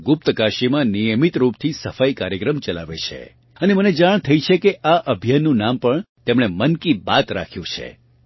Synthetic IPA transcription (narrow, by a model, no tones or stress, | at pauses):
ɡʊp̚t̪kaʃimãnijəmit̪ɾupt̪ʰisəfaikaɾjəkɾəmt͡ʃəla̰ʋet͡ʃʰḛ | əneməned͡ʒaɳ̃t̪ʰəjt͡ʃʰekeʔaʔəbʱjanːũnampəɳt̪emɳ̃emənkibat̪ɾa̰kʰjũt͡ʃʰḛ